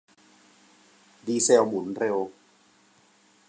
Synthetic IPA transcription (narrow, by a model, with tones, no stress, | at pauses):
diː˧sɛ˧wmu˨˩˦nɾe˧w